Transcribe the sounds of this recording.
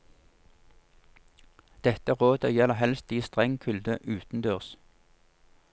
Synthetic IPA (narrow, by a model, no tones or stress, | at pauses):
d̪̥ɛt̪əʁoːd̪əjɛləʁhɛlst̪iːst̪ʁɛŋkʰʉld̪əʔʉːt̪n̩d̪øːʁs